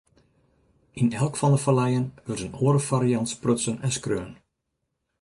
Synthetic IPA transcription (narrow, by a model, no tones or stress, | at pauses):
ʔinɛlˠkfɑndəfalɛjənʋɪrtənoːɾəfaɾijɑntsprøtsənɛnskrøːən